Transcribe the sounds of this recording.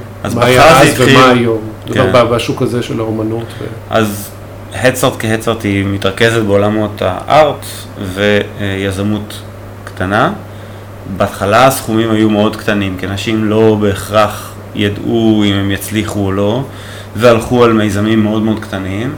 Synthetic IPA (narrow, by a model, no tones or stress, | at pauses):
ʔazmaalatvmajomkeʁnbabaʃukazeʃelaomanut̪vḛ | ʔa̰z | hett͡saʁtkehet͡saʁt̪imit̪ʁake̞zetbeo̞lamo̞ta̰ʔaʁt | ve̞jazamut | ktana | baːtχalasχumimajumeo̞dkt̪animkianaʃimlo̞be̞ːχʁaχ | jaduimemjat͡sliχuolo̞ | vealχualmejzamimːeo̞dmeo̞dkt̪anim